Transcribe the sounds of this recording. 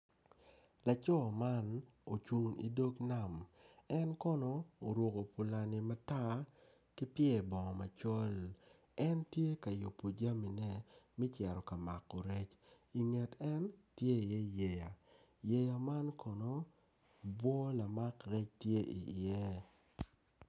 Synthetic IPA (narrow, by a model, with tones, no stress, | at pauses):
la˨t͡ʃɔ˦ma˦n | o˨t͡ʃu˨ŋḭ˨˦do˦kna˦˨mɛ˦nkɔ˦nɔː˨ɾwo˨ko˨pu˨la˨nɪ˨ma˦ta˦ | ki˦pjɛ˦˨bɔ˨ŋɔ˨ma˨t͡ʃɔ˦l | ɛ˦ntje˦ka˨jo˨po˨d͡ʒa˦mi˨nɛ˦mi˦t͡ʃɛ˨ɾɔ˨ka˨ma˨kːɔ˨ɾɛ˦t͡ʃ | i˨ŋe˨tɛ˦ntje˦˨jɛ˦je˨ja˨ | je˨ja˨ma˦nkʰɔ˨nɔ˦ | bwɔ˦la˨ma˦kɾɛ˦t͡ʃtje˦ʔḭ˨ɪ˨ɛ˦